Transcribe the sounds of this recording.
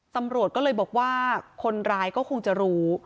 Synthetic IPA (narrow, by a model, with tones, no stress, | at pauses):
t̪a˧mɾu˨˩ət̪̚kɔ˥lɤː˧jbɔː˨˩k̚waː˥˩kʰo˧nɾaː˦˥jkɔː˥˩kʰo˧ŋt͡ɕa˨˩ɾuː˦˥